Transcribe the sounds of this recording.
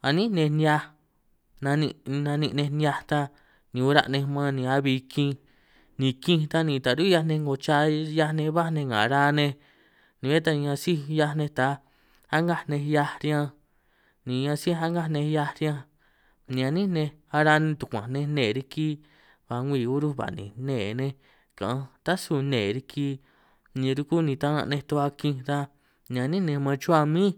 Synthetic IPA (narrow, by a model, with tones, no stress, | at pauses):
a˨nĩ˦nẽ˧nja˧ | nã˧nḭ̃˧nã˧nĩ˧ʔnẽ˧nja˧t̪a˦ | nĩ˨˧u˧˦ɾa̰˧ʔnẽ˧mã˦nĩ˨˧a˦βi˧kĩ˧ | nĩ˨˧kĩ˦˧t̪a˦nĩ˧t̪a˨ɾu˦ja˧nẽ˧ŋɡo˧t͡ʃa˧ja˧nẽ˧βa˦nẽ˧ŋã̰˨˧ɾa˧nẽ˧ | nĩ˨e˦t̪a˧ã˧si˦ja˧nẽ˧t̪a˨˦ | a˦ŋɡa˦˧nẽ˧ja˧ɾjã˦˧ | nĩ˨ɲã˧si˦a˦ŋɡa˦nẽ˧ja˧ɾjã˧ | nĩ˧ã˧nĩ˦nẽ˧a˧ɾa˧nẽ˧t̪u˨kʷã˨nẽ˧nẽː˨˧ɾi˧ki˦ | βa˨˧ŋʷiː˧˨u˦ɾu˦βa̰˨nḭ̃˨nẽː˦˨nẽ˧ | kã̰˨ã˧t̪a˦su˧˨nẽː˨ɾi˧kʰiː˧˦ | nĩ˧ɾu˧ku˦nĩ˧t̪a˦nã̰˧nẽ˧t̪o˧˦a˧kĩ˧ɾa˧ | nĩ˧ã˧nĩ˦nẽ˧mã˧t͡ʃu˦a˧mĩː˦